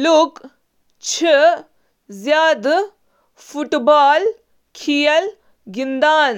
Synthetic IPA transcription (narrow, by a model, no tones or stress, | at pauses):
luk | t͡ʃʰi | zjaːd̪ | fuʈbaːl | kʰijɐl | ɡind̪aːn